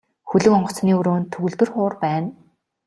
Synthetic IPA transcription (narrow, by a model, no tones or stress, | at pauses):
xɵɮɵ̆kɔɴɢɞ̆t͡sniːɵɾoːnt̪ʰɵɣɵ̆ɮt̪ɘ̆rχʊːrpæːn